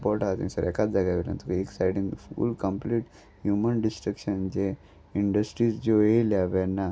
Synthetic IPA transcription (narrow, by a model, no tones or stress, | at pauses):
pɔɾʈat̪ḭ̃səɾɛkat̪̚d͡zaɡaʋila̰nt̪ukeksajɖĩŋɡfṵlkəmpliʈ | hjumənɖisʈɾəkɕənd͡ʑe | iɳɖəsʈɾiːsd͡ʑoeljaʋanːa